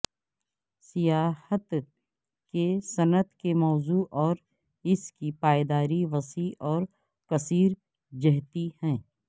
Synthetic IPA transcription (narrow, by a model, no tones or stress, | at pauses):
sɪjaːhət̪ | kesɐnət̪kemɔːzuːʔɔːɾ | ɪskipaːed̪aːɾiʋɐsiːʔɔːɾ | kɐsiːɾ | d͡ʒɐɦt̪ihɛ̃ː